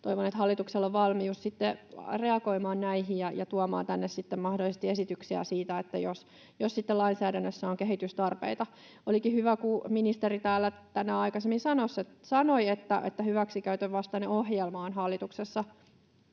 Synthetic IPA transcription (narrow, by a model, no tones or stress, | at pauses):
t̪oiʋonet̪hɑlːit̪ukselːoʋʋɑlmiussit̪ːereɑɡoimɑːnnæiɦijjɑjɑt̪uɑmɑ̰ːnt̪ænːessit̪ːemmɑhdolisest̪iesit̪yksiæ̰siːt̪æet̪ːæjos | josːit̪ːelɑinsæːdænːøsːæoŋkeɦit̪yst̪ɑrpḛit̪ɑ | ʔolikihyʋækuminist̪erit̪æːlːæt̪ænæɑikɑsemːisɑnosːet̪sɑnoiet̪ːæ̰ʔet̪ːæhyʋæksikæyt̪øʋʋɑst̪ɑneohjelmɑːnɦɑlːit̪uksesːɑ